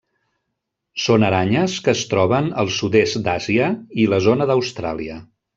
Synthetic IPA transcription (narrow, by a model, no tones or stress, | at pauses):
sonəɾaɲəskəːst̪ɾɔβənəlˠsud̪esd̪aziəiləzonəðəwst̪ɾa̰liə